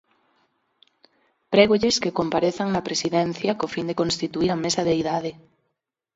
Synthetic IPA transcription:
pɾeɣoʎeskekompaɾeθaŋnapɾesiðen̟θjakofind̪ekonst̪it̪uiɾamesaðeiðað̞e

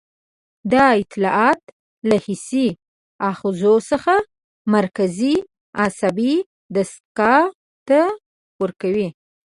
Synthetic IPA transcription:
d̪ɑɪt̪lɑɑt̪ | lahɪsi | ɑxzosəxa | maɾkazi | ɑsabi | d̪ast̪̚kɑ | t̪a | puɾkawi

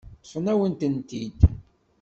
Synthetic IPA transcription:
sˤənæwənt̪ənt̪id̪

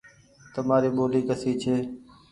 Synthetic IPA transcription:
t̪əmaːɾiːɓoːliːkəsiːt͡ʃʰeː

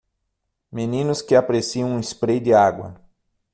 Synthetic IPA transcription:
menĩnʊskɪapaɾesiɐ̃w̃ũispɾejd̪ɪaɡwɐ̰

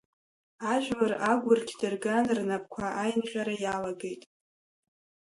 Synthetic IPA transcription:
aʒᶣwaraɡʷʊrkʲʰdɨrɡanrnapʰʼkʷʰaʔajnqʲʷᶣʼaɾajalaɡe̞jtʼ

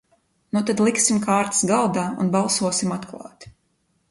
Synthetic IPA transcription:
nut̪ad̪lˠiksimkaːɾt̪sɡalˠd̪aːṵnbɑlˠsuɔsimat̪klˠɑ̰ːt̪

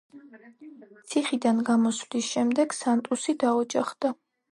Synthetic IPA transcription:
t̪sʰiχid̪anɡamɔswd̪isʃɛmd̪ɛɡ̥sant̪ʼusid̪aɔd͡ʒaχd̪̥a

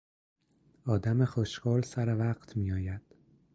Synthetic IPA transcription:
ɒːd̪æmexoʃkɒːlsæɾevæɢt̪ʰmiːjɒːjæd̪̥

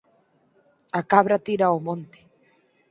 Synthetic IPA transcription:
akaβɾat̪iɾaomõnt̪e̥

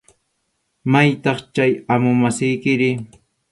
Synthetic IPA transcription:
majt̪ɑχt͡ʃajamʊmasɪjkɪɾɪ

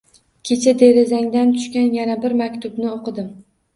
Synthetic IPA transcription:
kʲʰe̞t͡ʃʰad̪e̞ɾɪzaŋd̪ant̪ʰʊ̥ʃkʲanjanabɪɾmakʲt̪ʰʊbnɪoqʰɨd̪ɪm

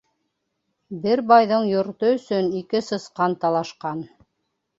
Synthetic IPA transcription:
bɘɾbɑjðɤɴjŏɾt̪ɤɵ̆sɵnikɘsɤ̆sqɑnt̪ɑlˠɑʃqɑn

